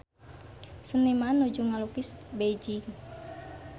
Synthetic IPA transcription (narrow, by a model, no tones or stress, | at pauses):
sənimanːud͡ʒuŋalukisbed͡ʒiŋ